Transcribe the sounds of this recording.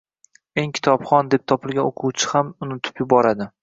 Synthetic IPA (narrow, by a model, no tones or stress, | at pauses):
eŋkʲʰɪ̥t̪ʰɒpχɒnd̪e̞p̚t̪ʰɒpɪlˠɡʲanoqʰuwt͡ʃʰɪ̥hamʊnɪt̪ʰɪ̥pjʊbɒɾad̪ɪ